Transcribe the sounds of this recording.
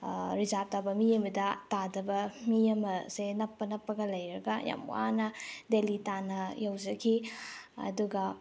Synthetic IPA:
ɾizap̚tabɐmiɐmɐdɐtadɐbɐmiɐmɐsenɐpːɐnɐpːɐɡɐlɐjɾɐɡɐja̰mw̰anɐdelitanɐjɐwd͡ʒɐkʰiɐ̰duɡɐ

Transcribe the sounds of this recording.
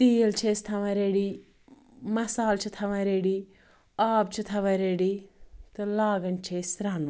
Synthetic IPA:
t̪iːɐlt͡ʃʰeːst̪ʰɐʋɐɾeːɽi | mɐsaːlt͡ʃʰit̪ʰɐʋɐɾeːɽiː | aːp̚t͡ʃʰit̪ʰɐʋɐɾeːɽit̪ɨlaːɡɐnt͡ʃʰeːsɾaːnɐ

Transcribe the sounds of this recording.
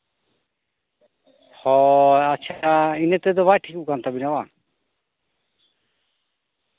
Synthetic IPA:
hɔaːt͡ʃʰainet̪ɛd̪ɔbajʈʰikukant̪abinaba

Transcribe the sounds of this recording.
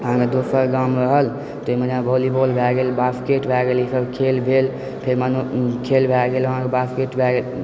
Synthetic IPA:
əɦãked̪osəɾɡamɾəɦəl | t̪oimənabolibolbʱɛɡelbaskeʈbʱɛɡelisəbkʰelbʱel | pʰeɾmanukʰelbʱɛɡeləɦãkebaskeʈbʱɛɡel

